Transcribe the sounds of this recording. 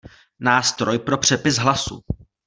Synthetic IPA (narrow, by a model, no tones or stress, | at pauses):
naːst̪ɾo̞jpɾo̞pr̝̥ɛpɪsɦlasṵ